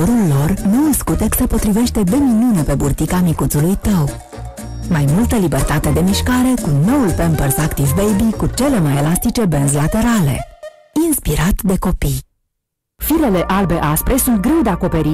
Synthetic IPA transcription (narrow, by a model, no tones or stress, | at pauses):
oɾulːo̞rnunskut̪eksəpo̞t̪ɾive̞ʃt̪e̞b̪e̞minunepe̞burt̪ikamikut̪sulujt̪əw | majmult̪əlibe̞rt̪at̪e̞d̪e̞miʃkaɾe̞kuno̞ulpempərsakt̪ivbejbikut͡ʃe̞le̞majelast̪it͡ʃe̞benzlat̪e̞ɾale̞̰ | inspiɾat̪d̪e̞ko̞pij | fiɾe̞le̞ʔalbe̞ʔaspɾe̞sunt̪̚ɡɾe̞wd̪e̞ako̞pe̞ɾi